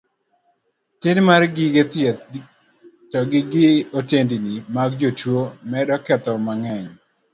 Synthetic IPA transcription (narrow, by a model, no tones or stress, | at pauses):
tɪnmarɡɪɡet̪jɛt̪ | tɔɡɪɡɪotendinimaɡd͡ʒot͡ʃwomɛdɔkɛt̪ɔmaŋɛɲ